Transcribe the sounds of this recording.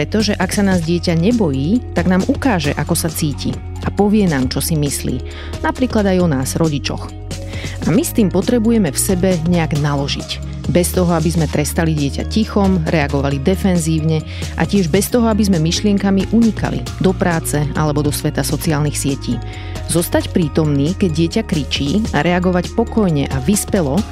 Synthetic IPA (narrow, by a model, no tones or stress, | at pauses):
pɾɛt̪ɔʒɛʔaksanaːzɟɪɛcaɲɛbɔjiːt̪aɡnaːmʔukaːʒɛ̰ʔakɔsat͡siːcḭ | ʔapɔʋɪɛnaːmt͡ʃɔsimislḭː | napɾiːklad̪ajɔnaːz̥ɾɔɟit͡ʃɔ̰x | ʔamist̪iːmpɔt̪ɾɛbujɛmɛfsɛbɛɲɛaɡnalɔʒḭc | bɛst̪ɔɦɔabizmɛt̪ɾɛst̪aliɟɪɛca̰cixɔmɾɛaɡɔʋalid̪ɛfɛnziːʊɲɛ | ʔa̰cɪɛʒbɛst̪ɔɦɔabizmɛmiʃlɪɛŋkamiʔuɲika̰lḭ | d̪ɔpɾaːt͡sɛalɛbɔd̪ɔsʋɛt̪asɔt͡siaːlnixsɪɛciː | zɔst̪acpɾiːt̪ɔmniːkɛɟ̚ɪɛcakɾit͡ʃiːaɾʔɛaɡɔʋacpɔkɔjɲɛʔaʋispɛlɔ